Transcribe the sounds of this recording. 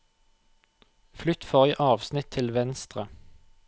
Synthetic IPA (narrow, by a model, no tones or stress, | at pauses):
flʏt̪fɔʁiʔɑːʋsnɪt̪ʰːɪlʋɛnst̪ʁə